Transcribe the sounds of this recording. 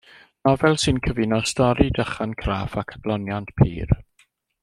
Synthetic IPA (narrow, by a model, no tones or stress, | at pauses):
nɔvɛlˠsɨnkʰəvɪnɔstɔɾidəχankʰraːfakʰad̥lˠɔnjantpʰḭːr